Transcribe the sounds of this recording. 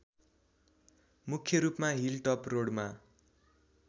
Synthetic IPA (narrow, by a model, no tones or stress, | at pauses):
mukʰjʌɾupmaɦilʈʌproɽma